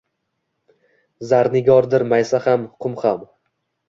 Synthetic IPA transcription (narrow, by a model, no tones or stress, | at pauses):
zaɾnɪɡʲɒɾd̪ɪɾmajsahamʊqʰʊmχam